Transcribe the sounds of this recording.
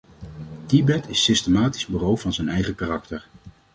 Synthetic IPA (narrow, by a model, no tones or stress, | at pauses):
tibɛtʰɪsɪstəmaːti̥zbyrowvɑnzənɛjχəkaːrɑktəɹ